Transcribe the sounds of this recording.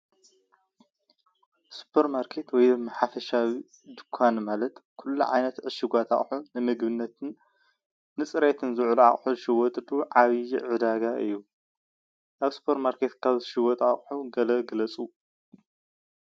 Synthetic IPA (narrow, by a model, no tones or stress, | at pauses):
su̥pʰːɐɾmaɾkʰet̪wɔjmɐħafɐʃawi | d̪ɨkʰːanmalɐt̪kʰulːuʕa̰jnɐt̪ʕɨʃɨɡʷat̪ʰa̰χʼħunɨmɨɡbɨnːɐt̪ʰɨnː | ɨt͡sʼɨɾet̪ʰɨnzɨʕluʕa̰χʼħuzɨʃɪwɔt̪ʼd̪uʕaβijiʕɨd̪aɡaʔɨjːu | ʔaβsu̥pʰɐɾmaɾkʰet̪kʰaβzɨʃɪwɔt̪ʼaχʼħuɡɐlɐɡɨlɐt͡sʼu